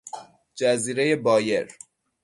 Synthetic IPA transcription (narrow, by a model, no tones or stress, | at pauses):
d͡ʒæziːɾeje̞bɒːje̞ɾ